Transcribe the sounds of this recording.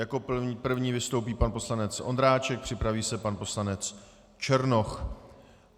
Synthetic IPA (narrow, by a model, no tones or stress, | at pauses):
jako̞pr̩vɲiːvɪst̪o̞wpiːpanpo̞slanɛt͡sʔo̞̰nd̪ɾaːt͡ʃɛk̚pr̥ɪpɾaviːsɛpanpo̞slanɛt͡s | t͡ʃɛɾno̞x